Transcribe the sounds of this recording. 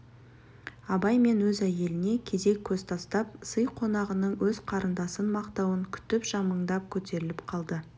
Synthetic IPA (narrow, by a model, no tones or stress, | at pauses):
ɑbɑjme̞nwɵzæje̞lɪne̞kʲʰe̞ze̞kʲʰːɵz̥t̪ʰɑst̪ɑp̚səjqʰo̞nɑʁənəɴwɵz̥qʰɑɾənd̪ɑsənmɑqt̪ɑwəŋkʲʰʏ̥t̪ɪpʒ̥ɑməɴd̪ɑp̚kʲʰɵt̪e̞ɾɪlɪpqʰɑlˠd̪ə